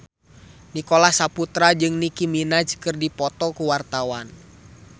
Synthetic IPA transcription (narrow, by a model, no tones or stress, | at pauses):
nikɔlahsaput̪ɾad͡ʒɨŋnikiminad͡ʒkɨrdipɔt̪ɔkuwart̪awan